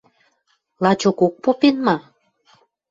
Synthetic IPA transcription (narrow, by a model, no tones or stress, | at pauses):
lɑt͡ɕokok̚popenmɑ